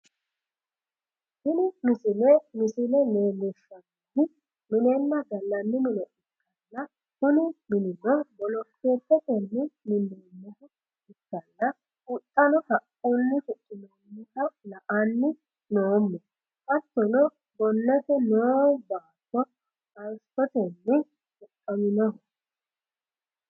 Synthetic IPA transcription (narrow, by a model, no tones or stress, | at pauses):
hɪnɪmɪsɪlɛmɪsɪlɛneːmɛʃːɐɡid̪ɪ | mɪnɛnːɐɡɐlːɐnːɪmɪnɔʔɪkːɐlːɐ | kʊnɪmɪnɪnɔbɔlɔkːe̞ːpːɛtɛnːɪmɪnːenːɛhɔ | ɪkːɐlːɐ | ʔʊt̪ʼːɐnɔhɐʔunːɪkʊtʼːɪnoːnːɪkɐlɐʔanːɪ | noːmːɔ | kɐt̪ːɔnɔ | bɔnːɛt̪ɛnoːbaːtːɔ | ɐɾstɔt̪ɛnːɪ | hʊkʼːɐmɪnɔhʊ